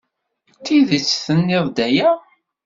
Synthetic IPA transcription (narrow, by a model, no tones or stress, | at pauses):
t̪ːiðit͡sːθənːɪðˤd̪æjæ